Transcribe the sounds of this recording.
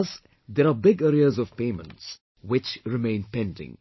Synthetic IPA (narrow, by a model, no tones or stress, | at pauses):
z | d̪ɛɾabɪɡɛɾiəzɔv̥pẽmə̰̃nts | wɪt͡ʃɾɪmẽɪ̃npɛ̃ndɪ̰̃ŋ